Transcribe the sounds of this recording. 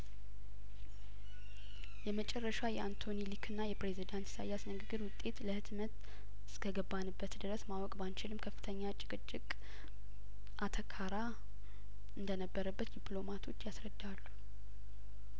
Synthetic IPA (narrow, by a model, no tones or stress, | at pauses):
jɛmət͡ʃʼɛrːəʃajɛant̪ʰo̞nilikʰɨnːajɛpɾe̞zid̪ant̪sa̰jasnɨɡɨɡːɨɾwʊt̪ʼːe̞t̪ləhɨt̪mət̪ | ɨ̥skʰəɡəbːanɨbːət̪d̪ɨɾəsmawɔkʼbant͡ʃɪlɨmkʰəfːɨ̥t̪ʰəɲːat͡ʃʼɪkʼɨt͡ʃʼːɪkʼ | ʔat̪ʰəkʰaɾa | ɨnd̪ənəbːəɾəbːət̪d̪ipʰlo̞mat̪ʰo̞t͡ʃːjasɾəd̪ːalːu̥